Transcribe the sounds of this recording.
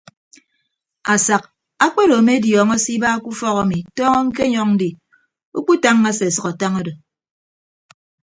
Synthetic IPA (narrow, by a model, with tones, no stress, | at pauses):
a˨sa˨k̚ | a˦k͡pe˦ɾo˨me˦djɔː˨ŋɔ˦si˦ba˦ku˦fɔ˦ka˨mi˨tɔː˦ŋɔ˦ŋ̩˦k̬e˦ɲɔ˦ŋn̩˦di˨ | u˦k͡pu˦ta˦ŋːa˦se˨sʌ˨ka˨ta˦ŋo˦do˨